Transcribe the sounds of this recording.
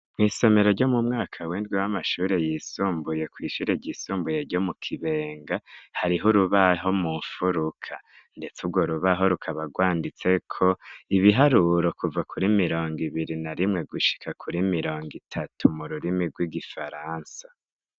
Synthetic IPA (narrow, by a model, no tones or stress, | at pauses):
mŋiːso̞me̞ɾo̞ɾɟo̞mumŋaːkʰawiːndɡwiwamaʃuːɾe̞jiːsuːmbuje̞kwiːʃuːɾe̞ɟiːsuːmbujeɟo̞mukʰiβe̞ːŋɡahaɾiɦuɾuβaɦo̞muɱfuɾukʰa | nde̞t͡subɡwo̞ɾuβaɦo̞ɾukʰaβaɡwaːndit͡se̞kʰo̞iβiɦaɾuɾo̞kuvakʰuɾimiɾo̞ːŋɡiβiɾinaɾimŋe̞ɡuʃi̥kʰakʰuɾimiɾo̞ːŋɡitʰatʰumuɾuɾimiɡwiɡifaɾansḁ